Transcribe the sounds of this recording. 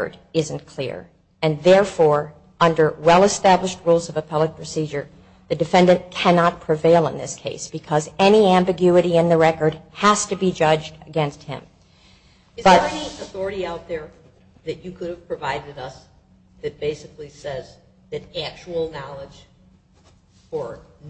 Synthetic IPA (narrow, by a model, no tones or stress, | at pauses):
ə̰˞ɾɪzɨ̃n̩kʰl̥ɪ̰ɹ | ɨ̃nðɛɹfɔɹ | ʌ̃ndə˞wɛlˠəstæbləʃt̚ɹulˠzʌvəpʰʌlˠɨk̚pʰɹ̥ɨsid͡ʒə˞ | ðɨdɨfɛ̃ndɨ̃nkʰænɑt̚pʰɹ̥ɨveɪlˠə̃nðɪ̰skʰeɪsb̥ɨkʰʌzɛniæ̃mbɨɡjʉɨɾiɨ̃nðɨɹɛkə˞d̚hæstɨbid͡ʒʌd͡ʒdɨɡɛ̃nst̚hɪ̰̃m | ɨb̥ʌiɨθɔɹɨɾiaʊt̪̚ðə˞ | ðɨt͡ʃɨkʰʊɾɨv̥pʰɹ̥ɨvaɪɾɨɾʌs | ðɨt̚b̥eɪsɨklisɛz | ðɨɾæk̚t͡ʃul̩ˠnɑlˠəd̥ʒ̥ | fə˞